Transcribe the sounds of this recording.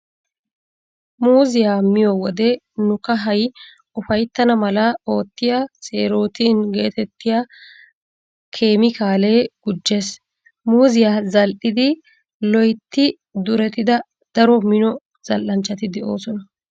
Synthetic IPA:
muːzɪjaːmɪjɔwɔd̪ɛ | nʊkɐɦɐj | ʊfɐjt̪ːɐnɐmɐlɐo̞ːt̪ːɪjasʼe̞ːɾo̞ːt̪iːnɡe̞ːt̪ɛt̪ːɪjaː | kʰe̞ːmɪkaːleːɡ̥ʊd͡ʒːe̞ːs | muːzɪjaːzɐlʔɪd̪ɪ | lɔjt̪ːɪ | d̪ʊɾɛt̪ɪd̪ɐ | d̪̥ɐɾɔmɪnɔ | z̥ɐlʔɐnt͡ʃːɐt̪ɪd̪ɛo̞ːsɔnɐ

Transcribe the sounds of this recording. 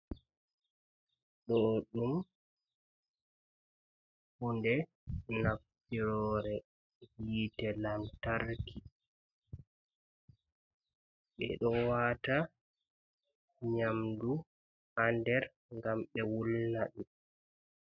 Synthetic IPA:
ɗɔɗum | hundɛ | nafːiɾɔːɾɛ | hiːtɛlamtaɾki | ɓɛ̰ɗɔwata | ɲamdu | andɛɾ | ŋɡamɓɛwulnaɗi

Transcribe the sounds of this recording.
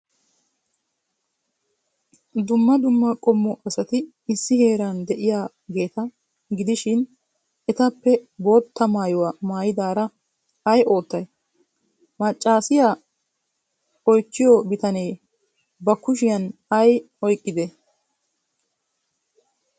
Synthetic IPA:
d̪ʊmːɐd̪ʊmːɐkʼɔmːɔʔɐsɐt̪ɪ | ɪsːɪhe̞ːɾɐnd̪ɛʔɪjaː | ɡe̞ːt̪ɐ | ɡɪd̪ɪʃɪn | ɛt̪ɐpːɛbo̞ːt̪ʰːɐmaːjɔwɐmaːjɪd̪aːɾɐ | ɐjʔo̞ːt̪ːɐj | mɐt͡ʃʼːaːsɪjaː | ɔjt͡ʃːɪjɔbɪt̪ɐneː | bɐkʊʃ̬ɪjɐnɐj | ɔjkʼːɪd̪e

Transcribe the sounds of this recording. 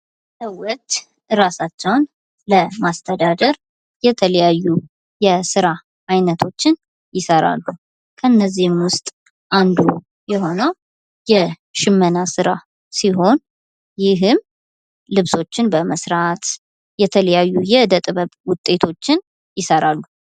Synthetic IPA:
səwːɔt̪ | ɨɾasat͡ʃːɛwn | ləmast̪ʰəd̪ad̪əɾ | jɛt̪ʰələjajːu | jɛsɨɾa | ʔajnət̪ʰo̞t͡ʃːɪn | jɪsəɾa̰lːu | kʰəɨnːəzːihɪmwʊst̪ʼ | ʔand̪u | jɛɦo̞nəw | jɛ | ʃɪmːənasɨɾa | siɦo̞n | jɪɦɨm | lɨβso̞t͡ʃːɪnbəməsɾat̪ | jɛt̪ʰələjajːujɛɨd̪ət̪ʼβəβwʊt̪ʼːe̞t̪ʰo̞t͡ʃːɪn | jɪsəɾalːu

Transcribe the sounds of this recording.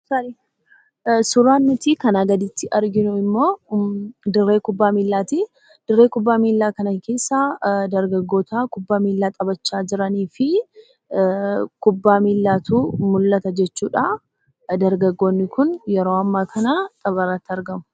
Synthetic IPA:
sɐ | sʊɾaːnːʊt̪ikɐnaːɡɐd̪ɪt̪ːɪʔɐɾɡɪnʊɪmːo̞ː | d̪ɪrːe̞ːkʊbːaːmiːlːaːt̪i | d̪̥ɪrːeːkʊbːaːmiːlːaːkɐnɐkʰe̞ːsːaːd̪ɐɾɡɐɡːo̞ːt̪aːkʊbːaːmiːlːaːt̪ʼɐbɐt͡ʃːaːd͡ʒɪɾɐniːfɪ | kʊbːaːmiːlːaːt̪uːmʊlːɐt̪ɐd͡ʒɛt͡ʃːuːᶑa | d̪ɐɾɡɐɡːo̞ːnːɪkʰʊnjɛɾo̞ːɐmːaːkʰɐnɐt̪ʼɐβɐrːɐt̪ːɪɐɾɡɐmʊ̥

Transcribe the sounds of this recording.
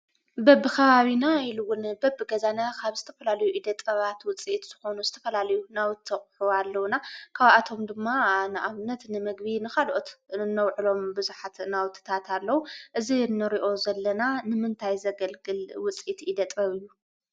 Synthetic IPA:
bɐbːɨkʰɐβaβinajiluwːʊnbɐbːɨɡɐzanakʰaβzɨ̥t̪ʰɐ̥fɐlalɐjuʔid̪ɐt̪ʼɐβat̪wʊt͡sʼit̪z̥ɨxo̞nuzɨt̪ʰɐfɐlalɐjunawt̪ʰːɐχʼħualːɐwnakʰaβʔat̪ʰo̞md̪ɨmːanɨʔaβnɐt̪nɨmɨɡbinɨkʰalʔot̪nːɐwʕɨlo̞mbɨzuħat̪nawt̪ʰɨ̥t̪ʰat̪ʰalːɐwuʔɨzinːɨɾiʔo̞zɐlːɐnanɨmɨnt̪ʰajzɐɡɐlɡɨlwʊt͡sʼit̪ʔid̪ɐt̪ʼɐβɨjːu

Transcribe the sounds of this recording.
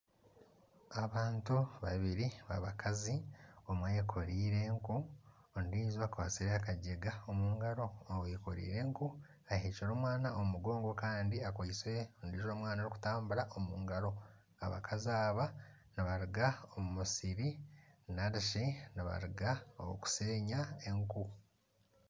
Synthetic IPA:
aβaːntuβaβiɾiβa̰βakʰaziomwajekʰo̞ɾiːɾe̞ŋku | ndiːzwakwaːsiɾeakaɟeɡaomuːŋɡaɾo̞wjekoɾḭːɾe̞ŋku | aheːciɾo̞ːmwaːnaʔomuɡo̞ːŋɡo̞kaːndiakwaisweondiːzo̞ːmwaːnaɾiku̥taːmbuɾaʔomuːŋɡaɾo̞ | a̰βa̰kʰaziaːβa | naβaɾiɡaomumusiɾinaɾiʃinaβa̰ɾiɡaoku̥se̞ːɲaeŋku

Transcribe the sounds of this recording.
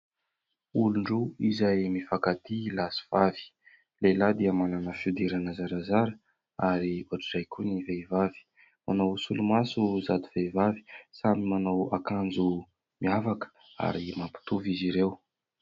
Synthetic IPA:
uluɳɖ͡ʐuizajmifakat̪ilasi̥v̥avi̥ | lelad̪iamananəfud̪iɾanəzaɾazaɾə | aɾiuaʈ͡ʂiɾajkunivevavi̥ | manawsulumasuzad̪uvevavi̥samimanawakand͡zu | miavakə̥ | a̰ɾimampi̥t̪uviziɾew

